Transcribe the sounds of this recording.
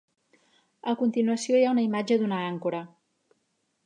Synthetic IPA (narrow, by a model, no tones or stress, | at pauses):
əkunt̪inuəsioiaunəimad͡ʒəd̪unəaŋkuɾə